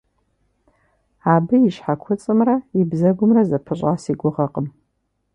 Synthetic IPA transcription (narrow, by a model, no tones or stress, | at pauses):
abɨiʃħakʷʰʊt͡sʼɨmrɐibzɐɡʷʊmrɐzɐpʰɨɕʷʼasiɡʷʊʁɐqʼəm